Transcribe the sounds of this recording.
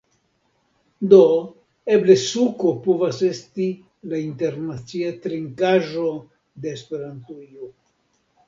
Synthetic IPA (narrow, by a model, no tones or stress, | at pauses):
d̪o | eble̞sukopovase̞sti | laint̪e̞ɾnat͡siat̪ɾiŋkaʒo̞ | d̪e̞ːspe̞ɾant̪ujo